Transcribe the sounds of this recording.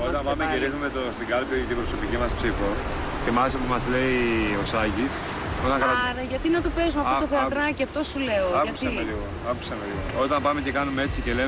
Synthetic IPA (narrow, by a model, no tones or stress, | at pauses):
ot̪ɐpɐmecelixnumet̪ost̪iŋɡɐlpot̪ibɾo̞so̞picimɐspsifo | cemɐsopumɐzle̞io̞sɐʝis | ot̪ɐ̃kɐlɐɾɐʝɐt̪inɐt̪upezumɐt̪ot̪ofeɐt̪ɾɐcɐft̪o̞sule̞oɐkɐusiemeliɣoɐkusɐmeliɣoo̞t̪ɐmpɐme̞ce̞kɐnumee̞t͡sice̞le